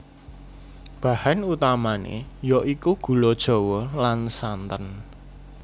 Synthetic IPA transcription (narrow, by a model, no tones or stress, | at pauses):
b̥a̤hanut̪amanḛjɔʔikuɡ̥ṳlod̥ʒ̥o̤wɔlansant̪ən